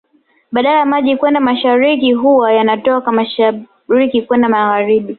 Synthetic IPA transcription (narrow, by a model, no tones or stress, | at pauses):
ɓaɗalajamaʄikwɛndamaʃaɾikiɦuwajanatɔakamaʃa | ɾikikwɛndamaɣaɾiɓi